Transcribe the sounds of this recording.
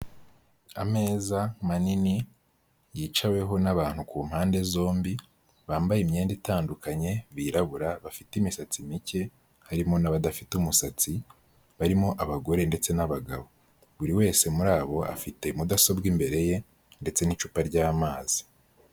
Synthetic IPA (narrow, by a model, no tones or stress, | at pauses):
a̰me̞ːzamanini | jiːt͡ʃawe̞ɦo̞naβaːn̥hukuːmhaːnde̞zo̞ːmbi | βaːmbajimɲe̞ːnditaːndukʰaɲe̞βiːɾaβuɾaβafitimisat͡simice̞ | haɾimo̞naβadafitumusat͡si | βaɾimo̞ʔaβaɡo̞ɾe̞nde̞t͡se̞naβaɡa̰βo̞ | βuɾiwe̞ːse̞muɾaːβo̞a̰fite̞mudaso̞bɡimbe̞ɾe̞je̞ | nde̞t͡se̞nit͡ʃupaɾɟaːmaːz̥i̥